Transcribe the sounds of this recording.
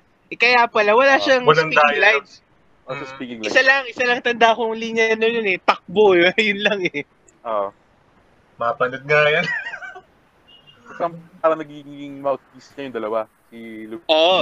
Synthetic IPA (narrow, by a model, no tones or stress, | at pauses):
ʔɛkɐjapɐlawɐlaːʃaŋwɐlɐnkaɪŋlajd̪ | aaspiːkɪŋlʔɪsalɐŋʔɪsalɐŋt̪ɐnd̪akoŋliɲɐnojʊnɛt̪ɐk̚bojʊnlɐŋɛ | ʔo | mapɐnod̪̚ŋajɐn | ɐsɐmpaːɾɐŋnɐɡiɡiɡɪŋmawt̪̚fisɲɐjʊŋd̪ɐlɐwa | siluʔo